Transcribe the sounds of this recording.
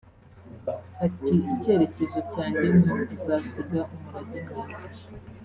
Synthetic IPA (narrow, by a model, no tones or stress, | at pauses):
hatʰiice̞ːɾecezocaːɲɟe̞nadizasiɡaʔumuɾaɟimɡaːzi̥